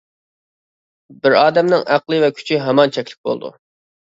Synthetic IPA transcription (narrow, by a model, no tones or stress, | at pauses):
bɪɾɑːd̪ɛmnɪŋæqlˠɨvɛkʲʰy̥t͡ʃʰiɦɛmɑnt͡ʃʰɛkʲlɪk̚ʲbo̰lˠd̪ṵ